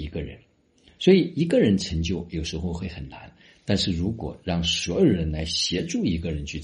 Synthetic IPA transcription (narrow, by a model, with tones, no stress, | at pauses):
i˧˥ɡə˧ɻə̰˧˥n | swɔ˧˥i˨˩i˧˥ɡə˥˧ɻə˧˥nʈ͡ʂʰə˧˥ŋt͡ɕjo˥˩ʊjo˨˩ʊʂɻ̩˧˥xo˥˧ʊxwe˥˩ɪxə˨˩nna˧˥˦n | t̪a˥˧nʂɻ̩˥˩ɻu˧˥kwɔ̰˨˩ɻɑ˥˩ŋswɔ˧˥jo˨˩ɻə˧˥nla˧˥ɪɕjɛ˧˥ʈ͡ʂu˥˩i˧˥ɡə˧ɻə˧˦˥nt͡ɕʰy˥˩